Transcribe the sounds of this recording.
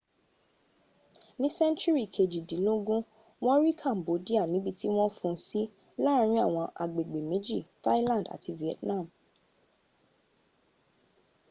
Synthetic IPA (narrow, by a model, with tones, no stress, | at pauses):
nĩ˦sɛ̃˦nt͡ʃu˦ɾi˦˨kʰe˨d͡ʒi˨dĩ˨˦lo˦ɡũ˦ | w̃ɔ̃˦ɾi˦kʰa˦˨m̩˨bo˨˦di˦a˦˨nĩ˨˦bi˧ti˦w̃ɔ̃˦fũ˧˦si˦ | la˦ɾ̃ĩ˦a˦˨w̃ɔ̃˧ʔa̰˨ɡ͡be˨ɡ͡be˨mĩ˨˦d͡ʒi˦˨ta˦lã˦˨n˨da̰˨tʰi˧vi˨ɛ˨tnã˦˨m̩